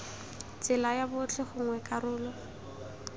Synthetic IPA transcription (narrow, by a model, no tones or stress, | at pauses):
t͡sʼɪlajabʊt͡ɬɛχʊŋwɛkʼarʊːlɔ